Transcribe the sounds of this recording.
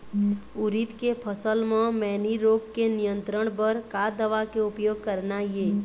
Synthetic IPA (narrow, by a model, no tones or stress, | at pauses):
ʊɾit̪kepʰəsəlmẽmɛːniɾoːɡkenijə̃nt̪ɾəɽ̃bəɾkad̪əʋakeʊpjoːɡ̚kəɾnajeː